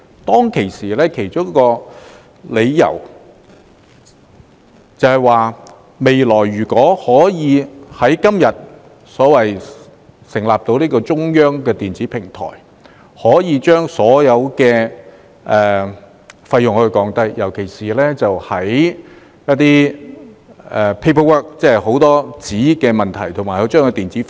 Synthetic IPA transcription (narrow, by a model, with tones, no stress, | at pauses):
t̪ɔː˥ŋkʰe˨˩jsiː˨˩lɛː˥kʰe˨˩jt͡ʃʊ˥ŋ˥kɔː˧ | le˨˧jːɐ̰˨˩w | t͡sɐ˨˧whɐ˨˩jwaː˨˧ | me˨jlɔː˨˩jːyː˨˩kʷɔː˨˥hɔː˨˥jiː˨˧hɐ˨˥jkɐ˥mjɐ˨t̚ | sɔː˨˥wɐ˨j | sɪ˨˩ŋlaː˨p̚t̪o˧wniː˥kɔː˧t͡ʃʊ˥ŋjœː˥ŋkɛː˧t̪iː˨nt͡siː˨˥pʰɪ˨˩ŋt̪ʰɔ̰ː˨˩j | hɔː˨˥jiː˨˧t͡ʃœː˥ŋsɔː˨˥jɐ˨˧wkɛː˧ | ɛː˨ | fɐ˧jːʊ˨ŋhɵ˧kɔː˨˥ŋt̪ɐ˥jjɐ˨˩wkʰe˨˩jsiː˨lɛː˥t͡sɐ˨whɐ˨˥j | jɐ˥t̚t̪iː˥ | ɛ˨pʰe˥pʰɐ˥wœː˥k̚t͡sɛː˥˨jho˨˥wt̪ɔː˥t͡siː˨˥kɛː˧mɐ˨nt̪ʰɐ̰˨˩jt̪ʰʊ˨˩ŋmaː˨˩jhɐ˨˥wt͡ʃœː˥ŋkɛ˧t̪iː˨nt͡siː˨˥